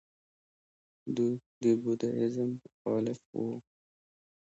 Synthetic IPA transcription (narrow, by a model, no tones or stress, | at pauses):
d̪ub̪ibud̪aɪzəmːʊxɑːlɪfwo̰